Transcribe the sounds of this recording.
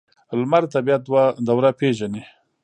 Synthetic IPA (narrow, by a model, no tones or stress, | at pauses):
lmaɾt̪abijat̪̚d̪wad̪awɾapeʒani